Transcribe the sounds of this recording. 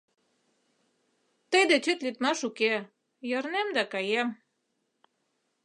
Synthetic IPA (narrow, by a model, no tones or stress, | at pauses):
t̪əjd̪et͡ɕyt̪lyt̪mɑʃuke | jɑrnemd̪ɑkɑjem